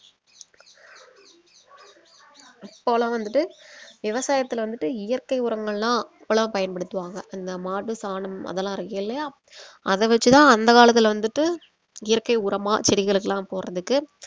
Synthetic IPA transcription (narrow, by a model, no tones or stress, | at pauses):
pːoːlãːʋɐnd̪ɯʈːɯʋɪʋɐsaːjɐt̪ːɪlʋɐnd̪ɯʈːɯɪjɐɾkɐɪʊɾɐŋɡɐɭlãːɛpːɐɭɐ̃pɐjɐnpɐɽɯt̪ːɯʋaːŋɡɐɪnd̪ɐmaːʈːɯsaːnɐmɐ̰ðɛlːãːɪɾɯkːɐɪlːɐjaː | ɐðɛʋɛt͡ʃːɯt̪ãːɐnd̪ɐkaːlɐt̪ːɪlʋɐnd̪ɯʈːɯ | ɪjɐɾkɐɪʊɾɐmaːt͡ʃɛɾɪɣɐɭɯkːɐlãːpoːɾrɐðɯkːɯ